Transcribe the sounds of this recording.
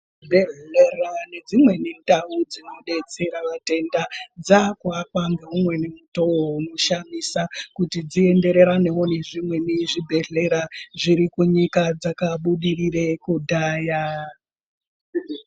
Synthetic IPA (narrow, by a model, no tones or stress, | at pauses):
bʱeɮerane̞d͡zimwe̞nindaud͡zino̞ɗe̞t͡se̞ɾaʋate̞ndad͡zakwakwaŋɡeumwe̞nemutowounoʃamisakutid͡zie̞nde̞ɾe̞ɾane̞one̞ʐimwe̞miʐibʱe̞ɮe̞ɾaʐiɾikuɲikad͡zakaɓuɗirire̞kudʱaːja